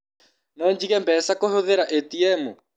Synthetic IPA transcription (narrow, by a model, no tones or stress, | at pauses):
nɔɲd͡ʒiɣɛmbɛsakohoðeɾaʔɛtiɛmu